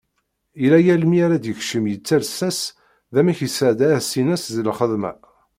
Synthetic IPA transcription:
ilæjælmiaɾad̪jəçʃəmjət͡sːæɾsæs | ðæmæçisəʕd̪æsinæsðəlχəðmæ̰

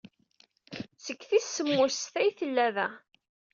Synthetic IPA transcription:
səkːθisːəmːʊsθæjθəlːæðæ

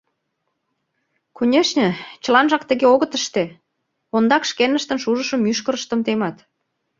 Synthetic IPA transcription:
konʲeʃnʲə̆t͡ɕəlɑnʒɑkt̪ə̆ɣeoɣət̪əʃt̪e | ond̪ɑkʃkenəʃt̪ənʃuʒəʃə̆myʃkə̆ɾəʃt̪əmt̪emɑt̪

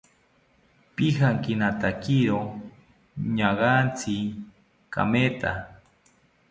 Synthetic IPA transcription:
pihaŋkinat̪akiɾo | ɲaɣant͡sʰi | ka̰met̪a̰

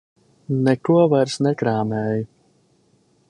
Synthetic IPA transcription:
nɛkuɔvaɾsnɛkɾaːmɛːju

